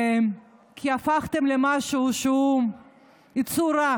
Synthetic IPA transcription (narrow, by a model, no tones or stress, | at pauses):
m | kʰiafaχt̪emlemaʃuːʃum | it͡suɾa